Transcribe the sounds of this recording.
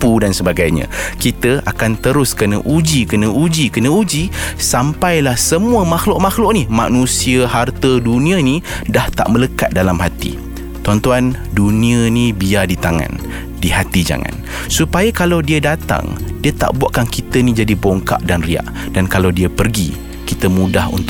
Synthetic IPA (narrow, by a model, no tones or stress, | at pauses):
pudansəbaɡajɲã̰kit̪əakant̪əɾʊskənəʔud͡ʒikənəʔud͡ʒikənə̃ud͡ʒisampajlahsəmuəmaxlʊʔmaxlʊʔnima̰nũsiəɦart̪ədunĩani | daht̪a̰ʔmələkat̪̚dalamɦat̪ḭ | t̪uant̪uandunĩənibiadit̪aŋa̰n | diɦat̪id͡ʒa̰ŋã̰n | supajakalawdiədat̪a̰ŋdiət̪a̰ʔbuaʔkankit̪ənid͡ʒadiboŋka̰ʔdanria̰ʔ | dankalawdiapərɡi | kit̪əmudahṵnt̪